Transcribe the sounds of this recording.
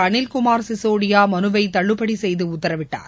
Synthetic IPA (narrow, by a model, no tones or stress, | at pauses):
ɐɳɪlkʊmaːɾsɪsoːɽɪjaːmɐnɯʋɐɪt̪ɐɭːɯpːɐɽisɛjðɯʊt̪ːɐɾɐʋɪʈːa̰ːɾ